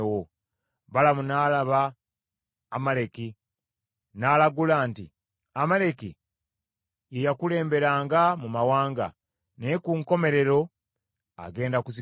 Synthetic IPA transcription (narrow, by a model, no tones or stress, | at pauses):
wo | βalamunalaβaː | male̞ki | naːlaɡulaːnti | amale̞ki | jejakule̞ːmbe̞ɾaːŋɡamumawaːŋɡa̰ | nekuŋko̞me̞ɾe̞ɾo̞ | a̰ɡe̞ːndakusi